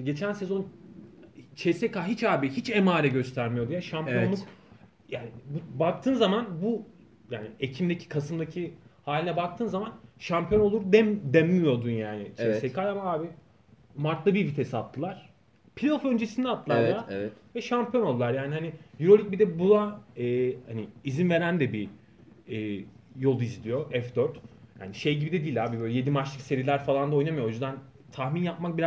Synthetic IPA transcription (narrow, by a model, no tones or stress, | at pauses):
ɟe̞t͡ʃʰænsezo̞n | t͡ʃʰesekaɦit͡ʃaːbihit͡ʃemaːɾɛɟø̞st̪ʰæɾmijod̪ujaʃampjonlˠuk | jaːnibubak̚t̪ʰɯːnzamanbu | jaːniecʰimd̪ecʰi̥kʰasɯmd̪acʰihaːlʲinɛbak̚t̪ʰɯːnzamanʃampʰjo̞nolˠuɾd̪ɛd̪emːijo̞d̪unjaːnɪt͡ʃʰɛsekalʲamaaːbi | maɾt̪lˠɯbibit̪ʰesat̪ʰːɯlˠaɾ̥ | pʰilʲfø̞nd͡ʒesind̪ɛat̪ʰlːɯlˠaɾlˠaɾvɛt̪vɛʃampʰjo̞nolˠd̪ulˠaɾjaːnʲihanijuɾo̞lʲic̚bid̪ɛbulˠaɛːhaniːzinve̞ɾænd̪ɛbi | ɛːjo̞lˠuizlʲijo̞ʔɛfd̪øɾt̪ja̰ːniʃe̞jɟibid̪ed̪iːlʲaːbibøjlʲɛjed̪imat͡ʃlˠɯkse̞ɾilʲæɾfalˠand̪ao̞jnamɯjoo̞jyzd̪an | t̪ʰaxminjapmak̚biɾa